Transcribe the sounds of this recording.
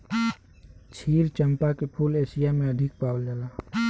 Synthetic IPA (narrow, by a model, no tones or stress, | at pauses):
t͡ʃʰiːɾt͡ʃəmpakepʰuleːsijamẽəd̪ʱɪk̚paːwld͡ʒaːlaː